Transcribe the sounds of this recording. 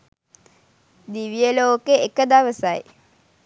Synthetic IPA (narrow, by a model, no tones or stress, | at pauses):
d̪iʋijəloːkeekəd̪aʋəsaj